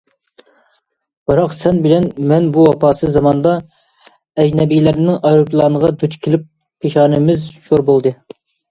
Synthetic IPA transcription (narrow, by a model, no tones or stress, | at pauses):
bɨɾɑqsɛnbɪlɛnmɛnbuwɑpʰɑːsɨzɑmɑnd̪ɑ | ɛd͡ʒnɛbijlæɾɪnːɪŋʔɑjɾupʰlˠɑːnəʁɑd̪ut͡ʃkʲʰelɪp̚ːʰ | eʃɑːnɨmɪzʃoɾbolˠd̪ɨ